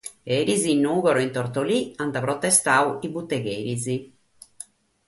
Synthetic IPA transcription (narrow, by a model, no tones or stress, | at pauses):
eɾizinːuːɣɔɾɔint̪ɔɾt̪oliant̪apɾɔt̪ːɛst̪auibut̪ːɛɣeːɾizi